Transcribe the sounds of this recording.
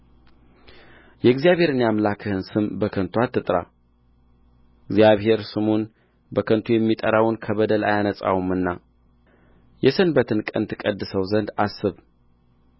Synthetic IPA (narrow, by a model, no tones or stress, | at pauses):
jɛɡzjaβhe̞ɾɨnjamlakʰɨhɨnsɨmbəkʰənt̪ʰuat̪ʰːɨt̪ʼɾa̰ | ɪɡzijaβhe̞ɾsɨmun | bəkʰənt̪ʰujɛmːit̪ʼəɾawnkʰəβəd̪əla̰janəsʼa̰wumɨnːa | jɛsɨnbət̪ʰɨnkʼənt̪ʰɨkʼəd̪ːɨsəwzənd̪asːɨβ